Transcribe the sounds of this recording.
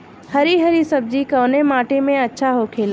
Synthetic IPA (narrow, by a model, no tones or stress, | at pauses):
hɐɾiɦɐɾisɐb̚d͡ʑikɐʋnemaːʈemẽɐtːʃʰaɦoːkʰeːl